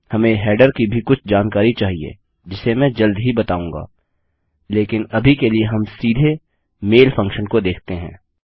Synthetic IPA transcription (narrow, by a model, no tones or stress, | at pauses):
hɐmẽɦɛːɖəɾkibʱikʊt͡ʃʰd͡ʒaːnkaːɾit͡ʃaːɦiḛː | d͡ʒɪsemɛ̃ːd͡ʒɐld̪ɦibɐt̪aːũːŋɡa̰ː | leːkɪnɐbʱikelieɦɐmsiːd̪ʱe | meːlfʰɐ̃ŋkʃənkod̪eːk̚ʰt̪eɦɛ̰̃ː